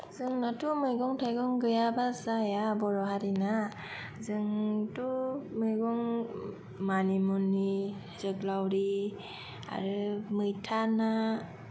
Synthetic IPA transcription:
zɯŋnatumɯjɡɔŋtʰajɡɔŋɡɯjabazajabɔɾɔɦaɾina | zɯŋtumɯjɡɔŋ | manimɔnːi | zɯklawɾi | a̰ɾɯmɯjtʰana

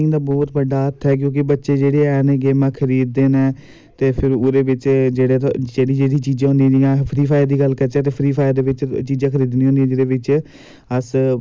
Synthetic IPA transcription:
ɪŋd̪aːbɔːt̪bəɖːaːət̪ʰːɛːk̬jõːk̬ɪbətːʃeːd͡ʒeːɽeːɛːneɡeːmãːkʰəɾiːd̪ːeːnɛː | t̪eːpʰɪɾoɾeːʋɪt͡ʃd͡ʒeːɽeːd͡ʒeːɽĩːd͡ʒeːɽiːt͡ʃiːd͡ʒãːɦʊ̃ːnd̪iɛ̃d͡ʒiãːpʰɾiːpʰaːd̪iːɡəlkəɾt͡ʃɛ̃ːt̪̬eːpʰɾiːpʰaːjd̪eːʋɪt͡ʃt͡ʃiːd͡ʒãːkʰəɾiːd̪nĩːɦõːnd̪iɛ̃ːd͡ʒeːɽeːʋɪt͡ʃ | əs

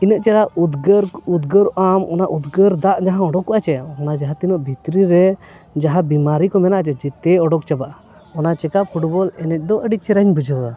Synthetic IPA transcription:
inəʔt͡ʃɛɾaud̪ɡəɾud̪ɡəɾʔamɔnaʔud̪ɡəɾd̪aʔd͡ʒaɦãɔɖɔkːɔʔat͡ʃɛɔnad͡ʒaɦat̪inəʔbʱit̪ɾiɾɛ | d͡ʒaɦabimaɾikɔmɛnaʔat͡ʃɛd͡ʒit̪ɛɔɖɔk̚t͡ʃabaʔa | ɔnat͡ʃɛkapʰuʈbɔlɛnɛc̚d̪ɔʔəɖit͡ʃɛɾəɲbʱud͡ʒəa

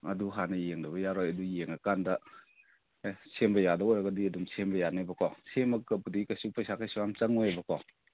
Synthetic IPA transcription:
ɐduɦanɐjeŋdɐbɐjaɾɔjɐdujeŋakandɐ | sʰembɐjadaɔjɾɐɡɐdiɐdumsʰembɐjanebɐkʰɔsʰemɐkɐbudikɐsupajsʰakʰajsuwamt͡ʃɐŋɔebɐkʰɔ

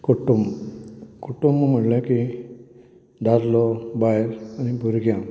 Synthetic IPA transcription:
kuʈum | kuʈuməm̤əʈlə̃ki | ɖaɾlɔbajɾanibʱuɾɡjã

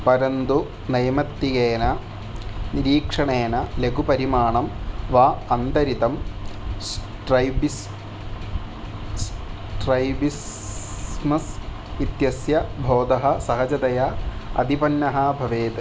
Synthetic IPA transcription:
pɐɾɐnd̪u | nɐjɐmɐt̪ːiɡeːnɐ | niɾiːkʂɐɳeːnɐleɡupɐɾimaːɳɐmʋaːɐnt̪ɐɾit̪ɐm | ʈɾɐjbis | s | ʈɾɐjbis | mɐs | it̪jɐsjɐbʱoːd̪ɐɦɐ̆sɐɦɐd͡ʒɐt̪ɐjɐɐ̰d̪ipɐnːɐɦɐbʱɐʋeːt̪

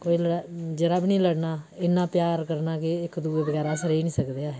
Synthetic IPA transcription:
koːiːləɽad͡ʒəɾaːbnĩːləɽnaːɪnːãːpjaːɾkəɾnaːkeɪkd̪uːeːbəɡɛːɾaːsəɾeːnĩːsəkd̪eaː

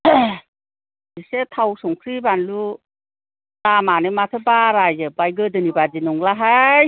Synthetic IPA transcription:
disetʰawsɔŋkʰɾibanlu | tamanɯmatʰɯbaɾajɯbajɡɯdɯnibad͡ʒinɔŋlaɦaj

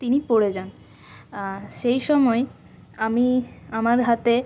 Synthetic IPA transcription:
t̪inipoɽed͡ʑan | ʃejʃɔmɔe | amiamaɾɦat̪e

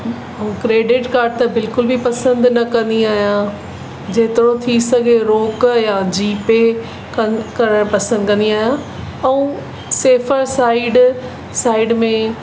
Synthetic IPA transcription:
kɾeːɖɪʈkaːɾɖt̪ɐbɪlkʊlbʱipɐsə̃nd̪nɐkɐ̃nd̪iaːɦijã | d͡ʑeːt̪ɪɾot̪ʰisɐɡʱeɾoːkjad͡ʑiːpe | kɐɾəɽ̃pɐsə̃nd̪kɐ̃nd̪iaːɦjã | ɛũ | seːfəɾsaːɪɖ | saːɪɖmẽ

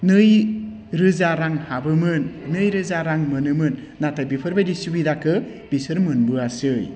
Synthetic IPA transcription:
nɯj | ɾɯzaɾaŋhabɯmɯnːɯjɾɯzaɾaŋmɯnɯmɯnːatʰajbipʰɯɾbajdisubidakʰɯ | b̥isɯɾmɯnbɯasɯj

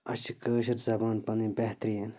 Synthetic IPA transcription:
ɐt͡ʃʰikəːʃ̬ɐɾzɐbaːnpɐnibɐɦt̪ɾijen

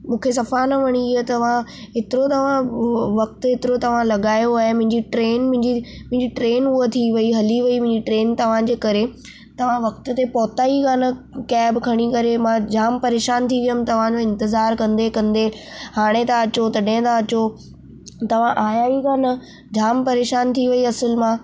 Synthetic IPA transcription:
mũːkʰes̬ɐfanɐʋɐɽ̃iɪɦet̪ɐʋ̤ã | ɦɪt̪ɪɾot̪ɐʋ̤ãʋɐk̚t̪ɦet̪ɪɾot̪ɐʋ̤ãlɐɠaːjoaːɦemʊ̃ɦɪ̃ɲd͡ʑiʈɾeːnmʊ̃ɦɪ̃ɲd͡ʑimʊ̃ɦɪ̃ɲd͡ʑiʈɾeːnuot̪ʰiʋɐiɦɐliʋɐimʊ̃ɪ̃ɲd͡ʑiʈɾeːnt̪ɐʋ̤ãd͡ʑeːkɐɾe | t̪ɐʋ̤ãʋɐk̚t̪ʊt̪epɔːt̪aːikaːnɐkɛːbkʰɐɽ̃ikɐɾemãd͡ʑaːmpɐɾeːʃaːnt̪ʰiʋijəmt̪ɐʋ̤ãd͡ʑoɪ̃nt̪ɪzaːɾkɐ̃nd̪ekɐ̃nd̪ehaːɽ̃et̪ãɐt͡ɕot̪ɐɗɪ̃t̪ãɐt͡ɕo | t̪ɐʋ̤ãʔaːjaːikaːnɐ | d͡ʑaːmpɐɾeːʃaːnt̪ʰiʋɐiɐsəlmãː

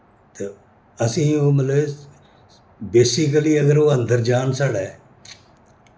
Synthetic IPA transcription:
t̪e | ɐsĩːoːmɐləb | beːsɪkəliːɐɡəɾoːɐ̃nd̪ʱəɾd͡ʒaːnsaːɽɛː

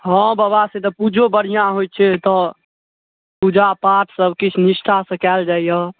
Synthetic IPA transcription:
ɦɔ̃babasẽt̪əpud͡ʒobəɽ̤ijãɦoj̚t͡ʃʰɛt̪ɔ | pud͡ʒapaʈʰsəbkit͡ʃʰnisʈʰasəkɛld͡ʒaijɔ

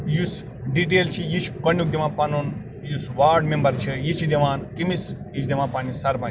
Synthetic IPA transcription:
jus | ɖiʈ̬eːlt͡ʃʰijiʃkɐnjuk̚d̪emãpanun | jusʋaːɾɖmembɐɾt͡ʃʰijit͡ʃʰid̪eʋaːnkimisjit͡ʃʰd̪ʲemãːpaːnisɐɾban

